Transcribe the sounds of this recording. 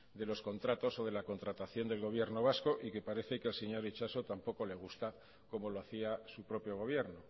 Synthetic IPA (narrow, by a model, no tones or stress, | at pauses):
d̪e̞lo̞sko̞nt̪ɾat̪o̞so̞ð̞elako̞nt̪ɾat̪aθjo̞nd̪e̞lɣo̞β̞je̞ɾno̞β̞asko̞ʔike̞paɾe̞θe̞keelseɲo̞ɾet͡ʃaso̞t̪ampo̞ko̞le̞ɣ̞ust̪a | ko̞mo̞loaθiasupɾo̞pjo̞ɣ̞o̞β̞je̞ɾno